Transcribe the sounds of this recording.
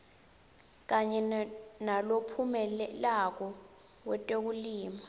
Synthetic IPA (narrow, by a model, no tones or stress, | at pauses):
k̬aɲɛnalopʰumɛlak̬ɔ | wɛtʼek̬uliːma